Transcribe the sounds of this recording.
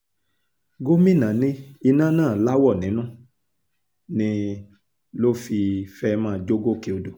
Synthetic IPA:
ɡo˦mĩ˦˨nã˨nĩ˧˦i˧nã˦nãː˦˨la˦wɔ˦˨nĩ˨˦nũ˦ | nĩ˧ | lo˦fi˧fɛ˧˦mãː˦˧d͡ʒo˦ɡo˦ke˧o˧do˨

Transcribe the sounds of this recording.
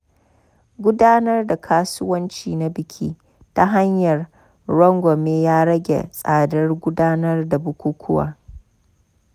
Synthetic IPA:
ɡʷʊ˦daː˦nɐ˦rda˨kʰaː˦sʊ˦wɐ˦nt͡ʃiː˨na˦bɪ˨kʲʰiː˦ | ta˦ɦa˦ɲjɐ˨r | ɾɔ˦ŋɡʷɔ˨meː˦jaː˦ɽɐ˦ɡʲḛ˨sʼaː˨dɐ˦rɡʷʊ˦daː˦nɐ˦rda˨bʊ˦kʷuː˦kʰʷʊ˦wa̰ː˨

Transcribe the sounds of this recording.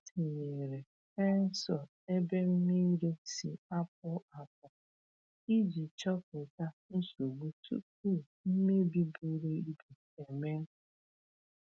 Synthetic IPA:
ti˨ɲe˨ɾe˨ | e˦n̩˦sɔ˨ | e˦be˦m̩˦ni˦ɾe˦sḭ˨a˦p̚ʊ˦a˨p̚ʊ˨ | i˦d͡ʒi˨t͡ʃɔ˦k̚ʊ˨ta˦n̩˦su˨ɡ͡bu˦tṵ˦ku˦˨m̩˦me˦bi˦bu˦ɾe˦i˦bi˨ | e˨me˦ŋ̩˦

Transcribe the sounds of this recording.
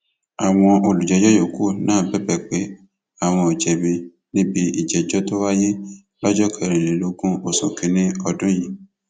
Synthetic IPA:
a˨w̃ɔ̃˧o˧˨lu˨d͡ʒɛ˨˦d͡ʒɔ˦jo˨ko˦˨nãː˦˨bɛ˨˦bɛ˦˨k͡pe˨˦ | a˦˨w̃ɔ̃˧i˨d͡ʒɛ˨bi˧ | nĩ˦bi˦i˨d͡ʒɛ˨d͡ʒɔ˦to˦wa˦je˦ | lɔ˦d͡ʒɔ˦kʰɛ˦˨ɾ̃ĩ˨le˨˦lo˦ɡũ˦o˨sɔ̃˨kĩ˨˦nĩ˦ɔ˧dũ˦ji˧

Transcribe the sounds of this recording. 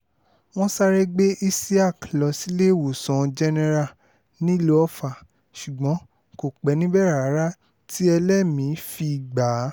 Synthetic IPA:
w̃ɔ̃˦sa˦ɾɛ˦ɡ͡be˦ʔi˦si˦a˦˨klɔ˧˨si˦le˦˨wo˨sɔ̃˨˧d͡ʒɛ˧nɛ˧ɾa˦˨ | nĩ˦lo˦ɔ˦fa˦˨ | ʃu˨ɡ͡bɔ̃˨˦ | ko˨k͡pɛ˨˦nĩ˦bɛ˦ɾa˨a˨˦ɾa˦ | tʰi˦ɛ˧lɛ˦mĩ˨˦fi˧i˨ɡ͡ba˨˦

